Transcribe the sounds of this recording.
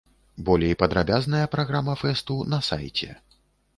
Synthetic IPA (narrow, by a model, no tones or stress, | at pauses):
bɔlʲejpɐd̪ɾabʲaznɐjɐpɾaɣɾamɐfɛst̪unɐsa̰jt͡sʲɛ̰